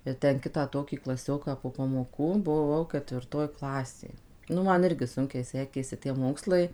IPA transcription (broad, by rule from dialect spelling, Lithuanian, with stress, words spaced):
ɪr ˈtʲɛn ˈkʲɪtɑː ˈtoːkʲiː klˠɐˈsʲoːkɑː poː pɐmoːˈkuː bʊˈʋɐʊ kətʲʋʲɪrˈtoːj ˈklˠɑːsʲeː ˈnʊ ˈmɐn ˈɪrʲɡʲɪ ˈsʊŋʲkʲɛɪ ˈsʲæːkʲeːsʲɪ tʲiɛ ˈmoːkslˠɐɪ